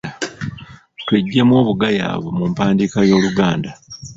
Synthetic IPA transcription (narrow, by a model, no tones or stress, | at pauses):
tweɟːe̞mwo̞ːβuɡaja̰ːβwomumpaːndiːkajo̞ːluɡaːnda